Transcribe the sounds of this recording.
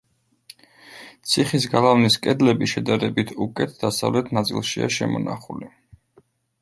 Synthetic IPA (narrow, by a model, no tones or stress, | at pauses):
t̪sʰiχis̬ɡalˠavniskʼɛd̪lɛbiʃɛd̪aɾɛbit̪ʰukʼɛt̪ʰd̪̥asavlɛt̪ʰnat̪sʼḭlˠʃia̰ʃɛ̰mɔna̰χuli